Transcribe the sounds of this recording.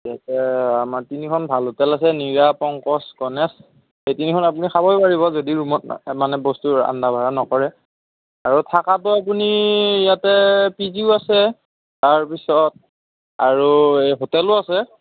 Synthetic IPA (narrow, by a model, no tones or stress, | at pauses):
jatɛamaɹtinikʰɔnbʱalotɛlasɛniɹapɔŋkɔsɡɔnɛs | xejtinikʰɔnap̬unixabɔjbaɹiβɔzodiɹumɔt̚manɛbɔstua̰ndabʱaɹanɔkɔɹɛ | aɹutʰakatʊapunijatɛpiziʊasɛ | taɹpisɔt̚ | aɹuexotɛlʊasɛ